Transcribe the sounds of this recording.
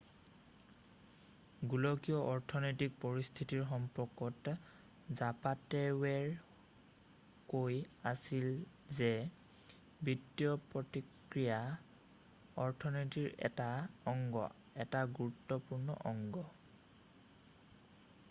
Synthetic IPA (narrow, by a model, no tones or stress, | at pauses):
ɡulɔkijɔʔɔɹtʰɔnɔjtik̚pɔɹist̪ʰitiɹxɔmpɔkɔt | zapatɛwɛɹ | kojasil | zɛ | bitːijɔpɹɔtikɹija | ɔɹtʰɔnɔtiɹɛ̰taɔŋɡɔ̰ | ɛtaɡuɹutːɔpuɹnɔ̰ʔɔŋɡɔ